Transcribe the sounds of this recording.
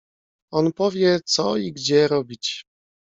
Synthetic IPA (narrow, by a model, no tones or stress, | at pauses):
ɔnpɔvʲjɛt̪sɔiɡd͡ʑɛɾɔbʲit͡ɕ